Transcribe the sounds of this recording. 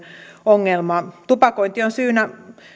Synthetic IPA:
oŋːelmɑˑt̪upɑkoint̪ionsyːnæ

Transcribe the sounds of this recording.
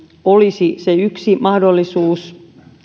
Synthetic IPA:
olisiseyksimɑhdolːisuːs

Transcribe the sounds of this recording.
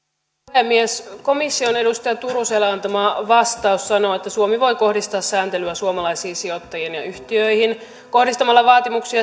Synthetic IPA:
emːiesko̞misːio̞ne̞dust̪ɑjɑt̪uruselːɑɑnt̪ɑmɑːʋɑst̪ɑusːɑno̞ːet̪ːæsuomiʋo̞jko̞hdist̪ɑːssæːnt̪elyæsuomɑlɑjsiːsio̞t̪ːɑjenjɑ̰ʔyht̪iøihin | ko̞hdist̪ɑmɑlːɑʋɑːt̪imuksiɑ

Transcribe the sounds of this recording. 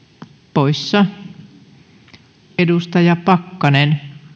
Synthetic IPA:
poisːɑ | edust̪ɑjɑpɑkːɑnen

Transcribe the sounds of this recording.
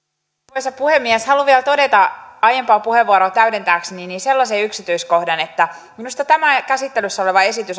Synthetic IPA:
pojsɑpuhemːiɛshɑluʋiɛlt̪o̞det̪ɑɑjempɑːpuheʋːuɑɾot̪æydent̪æːksninise̞lːɑseyksit̪yisko̞hdɑne̞t̪ːæminust̪ɑt̪æmækæsit̪ːelysːæoleʋɑe̞sit̪ys

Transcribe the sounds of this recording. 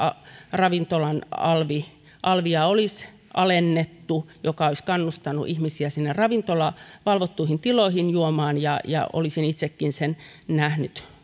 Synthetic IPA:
ɑrɑʋint̪olɑnɑ̰lʋi | ʔɑlʋiɑolis | ʔɑlenːet̪ːujokɑoiskɑnːust̪ɑnːṵʔihmisiæsinːerrɑʋint̪olɑʋɑlʋot̪ːuihint̪iloihinjuomɑːnjɑjɑ̰o̰lisinit̪sekːinsen | næhnyt̪

